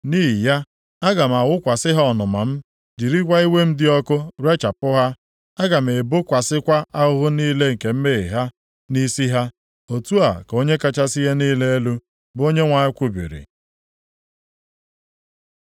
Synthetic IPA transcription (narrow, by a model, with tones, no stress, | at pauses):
niː˦ɦi˨ja˦ | a˦ɡa˨m̩˨a˨wʊ˦kʷa˨sɪ˦ɦa˦ɔ˨nʊ˨ma˨m̩˦ | d͡ʒi˨ɾi˦kʷa˦i˦we˦m̩˦dɪ˦ɔ˦kʊ˦ɾe˦t͡ʃa˨pʊ˦ɦa˦ | a˦ɡa˨m̩˨e˨bo˦kʷa˨sɪ˦kʷa˦a˦ʊ˦ɦʊ˦niː˦le˦ŋ̩˨ke˨m̩˦me˦ɪ˨ɦa˦ | ni˦si˦ɦa˦ | o˨tu˦a̰˨ko˦ɲe˦ka˦t͡ʃa˦si˦ɦe˦niː˦le˦e˦lu˦ | bʊ˨˦o˦ɲe˦ŋʷa˨ɲɪ˦kʷʊ˦bḭ˨ɾḭ˨